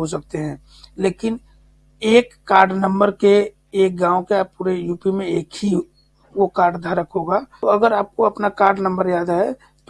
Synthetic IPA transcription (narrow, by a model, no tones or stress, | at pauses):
ɦosɐk̚t̪eɦɛ̃ː | leːkɪn | eːkːaːɾɖnə̃mbəɾke | eːk̚ɡãːõkeaːppːuːɾejuːpimẽeːkɦi | wokaːɾɖd̪ʱaɾəkɦoːɡaoɐɡəɾaːp̚koɐpnakaːɾɖnə̃mbəɾjaːd̪aɦɛ | t̪